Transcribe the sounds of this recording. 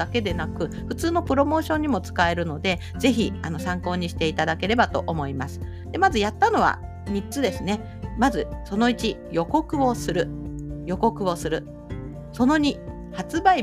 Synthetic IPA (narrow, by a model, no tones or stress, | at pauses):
ake̞d̪e̞nakɯ̟ | ɸɯ̟t͡sɨːno̞pɯ̟ɾo̞mo̞ːɕõ̞ɲ̟ːimo̞t͡sɨ̥kae̞ɾɯ̟no̞d̪e̞ | ze̞çiano̞sãŋko̞ːɲ̟iɕi̥t̪e̞it̪ad̪ake̞ɾe̞bat̪o̞̰ʔomo̞imasɨ̥ | d̪e̞mazɨjat̪ːano̞β̞a̰ | mʲitt͡sɨd̪e̞sɨne̞ | mazɨso̞no̞it͡ɕijo̞ko̞kɯ̟o̞sɨɾɯ̟jo̞ko̞kɯ̟o̞sɨɾɯ̟ | so̞no̞ɲ̟i | hat͡sɨbai